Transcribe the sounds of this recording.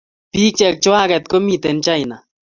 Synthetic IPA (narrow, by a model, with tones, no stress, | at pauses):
pi˦k̚t͡ʃɛ˨k̚t͡ʃwa˦kɛ˨t̪̚ko˦mi˦t̪ɛ˨nt͡ʃa˦jna˨